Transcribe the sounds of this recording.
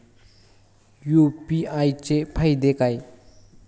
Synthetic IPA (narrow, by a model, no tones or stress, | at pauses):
jopiajt͡ʃepʰajd̪ekaj